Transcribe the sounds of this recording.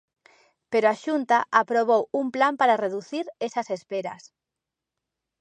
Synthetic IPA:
peɾoaʃunt̪aʔapɾoβ̞owumplampaɾareðuθiɾesɐsespeɾɐ̰s

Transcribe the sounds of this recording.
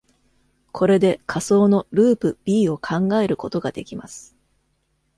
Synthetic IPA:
kʰo̞ɾe̞d̪e̞kʰaso̞ːno̞ɾɯ̟ːpɯ̟b̥ʲiːo̞kʰãŋɡae̞ɾɯ̟ko̞t̪o̞ɡad̪e̞kʲima̰sɨ̥

